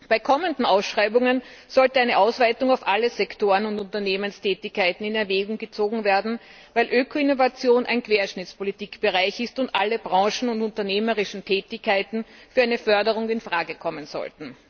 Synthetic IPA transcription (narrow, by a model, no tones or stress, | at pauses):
b̥aɪkʰɔməndn̩aʊsʃʁaɪbʊŋənz̥ɔltəæɪnəʔaʊsv̥aɪtʊŋaʊfʔaləzɛktoːʁənʊntʊntɐneːmənstʰɛːtɪçkʰːaɪtn̩ɪnɛɐveːɡʊŋɡət͡soːɡŋ̩veːɐdn̩ | væɪlʔøːkʰoɪnovat͡sjoːnʔæ̰ɪnkv̥eːɐʃnɪt͡spolitiːkb̥əʁaɪçɪstʊntʔaləbʁɑ̃ːʃn̩ʊntʊntɐneːməʁɪʃn̩tʰɛːtɪçkʰːaɪtn̩fyːɐæɛɪnəfœɐdəʁʊŋɪnfʁaːɡəkʰɔmənz̥ɔ̰ltn̩